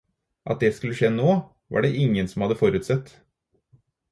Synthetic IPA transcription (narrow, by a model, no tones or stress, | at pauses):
ʔɑ̰t̪̚d̪eːskʉlːəʃeːnoː | ʋɑ̰ːɖeːʔɪŋːənsɔmhɑd̪əfɔɾʉːt̪sɛt̪ː